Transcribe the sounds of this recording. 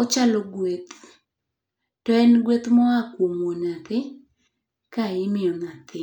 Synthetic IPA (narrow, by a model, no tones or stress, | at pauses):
ɔt͡ʃalɔɡwet̪ | tɔɛnɡwet̪mɔakwomonat̪ɪ | kaɪmɪɔnat̪ɪ